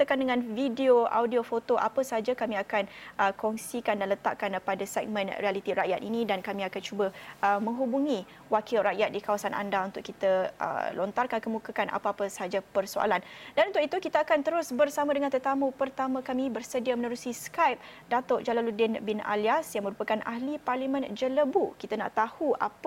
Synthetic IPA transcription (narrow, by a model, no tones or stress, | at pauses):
kandəŋãnvideoa̰wdiofot̪oʔa̰pəsəɦad͡ʒakamĩakanʔəkɔŋsikandanlət̪a̰ʔkanəpadasɛ̰k̚mə̃nrialit̪iɾa̰ʔjat̪inĩdankamĩakant͡ʃubəəmə̃ŋɦubuŋi | wakɪlraʔjat̪̚dikawasanʔa̰ndaunt̪ʊʔkit̪əə̰lɔnt̪arkankəmukakana̰paapəsəɦad͡ʒapərsoa̰landanunt̪ʊkit̪ukit̪aakant̪əɾʊsbərsamadəŋant̪ət̪amupərt̪amãkamĩbərsədiamənəɾusiskajp̚ | dat̪ɔʔd͡ʒalaludɪnbɪna̰liasjaŋmə̃ɾupakanʔa̰hliparlimə̃nd͡ʒələbukit̪ana̰ʔt̪ahua̰p